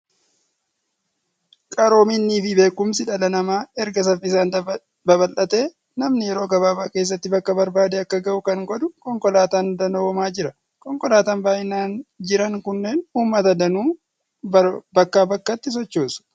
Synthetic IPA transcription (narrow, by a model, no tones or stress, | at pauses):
kʼɐɾo̞ːminːiːfɪbe̞ːkːʊmsɪᶑɐlɐnɐmaːɛɾɡɐs̬ɐfɪsaːn | bɐbɐlʔɐt̪e̞ː | nɐmnɪjɛɾo̞ːɡɐβaːbaːkeːs̬ːɐt̪ːɪbɐkːɐbɐɾbaːd̪eɐkːɐɡɐʔʊkɐŋɡɔd̪ʊkɔŋkɔlaːt̪aːnd̪ɐnoːmaːd͡ʒɪɾɐ | kʼɔŋkɔlaːt̪aːnbaːʔɪnaːnd͡ʒɪɾɐŋkʊnːe̞ːnuːmːɐt̪ɐd̪ɐnuː | bɐkːaːbɐkːɐt̪ːɪs̬ɔt͡ʃːoːsʊ̥